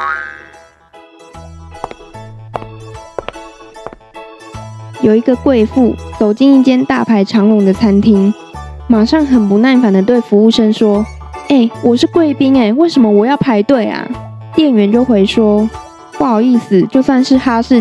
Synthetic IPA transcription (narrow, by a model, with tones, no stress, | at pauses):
jo˨˩ʊi˧˦ɡə˧kwe˥˧ɪfu˥˩t͡so˨˩ʊt͡ɕi˥˧ŋi˥˩t͡ɕjɛ˥nt̪a̰˥˨pʰa˧˥ɪʈ͡ʂʰɑ˧˥ŋwʊ˨˧˦ŋd̪ə˨t͡sʰa˥nt̪ʰi˥ŋ | ma˨˩ʂɑ˥˨ŋxə˨˩npu˧˦na˥˩nfa˨˩nd̪ə˩t̪we˥˩ɪfu˧˦u˥˩ʂə˥ŋʂwɔ˥ | e˥˩ɪwɔ˨˩ʂɻ̩˥˨kwe˥˩ɪpi˥ŋe˨˩ɪwe˥˩ɪʂə˧˦nmə˧wɔ˨˩jɑ˥˩ʊpʰa˧˥ɪt̪we˥˩ɪa̰˩ | t̪jɛ˥˩nɥɛ˨˧˦nt͡ɕjo˥˩ʊxwe˧˥ɪʂwɔ˥ | pu˥˩xɑ˨˩ʊi˥˩s̩˨˩t͡ɕjo˥˧ʊswa˥˧nʂɻ̩˥˩xa˥ʂɻ̩˥˨